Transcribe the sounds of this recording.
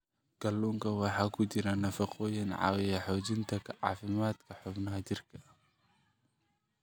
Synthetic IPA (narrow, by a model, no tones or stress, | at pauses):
ɡ̥ɐlːuːŋkʰɐwɑħɑːkʰʊt͡ʃɪɾɐnɐfɑqʰɔːjɪnʕɑ̰ːwɪjɐħɔːt͡ʃɪnt̪ʰɐkʰɐʕɑ̰ːfɪmaːd̪kʰɐħʊbnɐɦɐt͡ʃɪrkʰɐ